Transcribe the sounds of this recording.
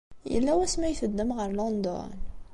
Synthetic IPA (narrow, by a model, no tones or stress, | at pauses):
jə̰lːæwæsmæjθəd̪ːəmʁəɾlɔnd̪ɔ̰n